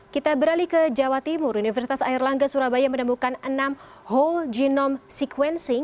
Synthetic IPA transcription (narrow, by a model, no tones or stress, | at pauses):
kit̪abəɾalikəd͡ʒawat̪imʊɾunifərsit̪asairlaŋɡasuɾabajamənəmukanənam | ɦɔld͡ʒinɔmsikuwɛnsɪ